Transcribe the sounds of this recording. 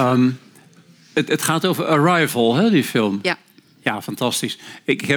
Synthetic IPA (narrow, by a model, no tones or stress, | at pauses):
əm | ətətχaːtowvəɹəɹajvəlˠɦɛdifɪlˠm | jafɑntɑstisɪkɛ